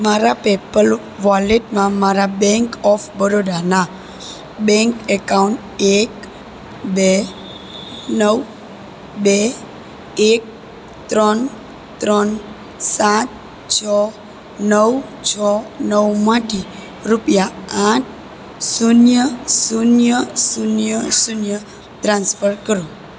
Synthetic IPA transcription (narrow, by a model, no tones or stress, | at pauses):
maɾapepəl | ʋaleʈmãmaɾabɛ̃ŋkɔfbəɾod̪ana | bɛ̃ŋkekauɳʈ | ek | be | nəw | bɛ | ek̚ | t̪ɾɔn | t̪ːɾɔn | sat̪̚ | t͡ɕʰɔ | nəwt͡ɕʰɔnəwmaʈi | ɾupjaaʈ̚ʰ | sunjəsunjəsunjəsunjə | t̪ɾãnsfəɾkəɾu